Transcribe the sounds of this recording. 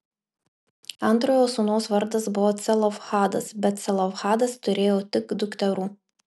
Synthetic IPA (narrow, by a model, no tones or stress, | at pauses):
ɐnˑt̪ɾoːjoːsunoːsʋɐɾd̪ɐsbʊʋoːt̪sʲɛlˠɔfxɑːd̪ɐ̰sbʲɛt̪̚t̪sʲɛlˠɔfxɑːd̪ɐst̪ʊɾʲeːjoːt̪ʲɪkd̪ʊkt̪ʲɛɾuː